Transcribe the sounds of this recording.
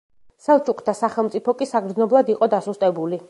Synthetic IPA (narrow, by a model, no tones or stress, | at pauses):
salˠt͡ʃʼukʰt̪ʰasaχɛlˠmt̪ʼipʰɔkʼisaɡɾd̪znɔblˠad̪iqʼɔd̪asust̪ʼɛbuli